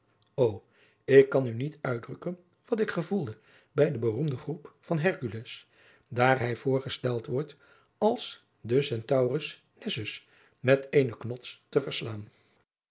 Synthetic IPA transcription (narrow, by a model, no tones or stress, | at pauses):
ow | ɪkːɑnynitœɥdrɵkən | ʋɑtɪkχəvulˠdə | bɛjdəbərumdəχrupfɑnɦɛɹkyləs | daːɹɦɛjvʊːɹχəstɛlˠtʋɔɹt | ɑlˠs | dəsɛntɑwrəs | nɛzʏs | mɛtejnəknɔtstəvəɹslaːn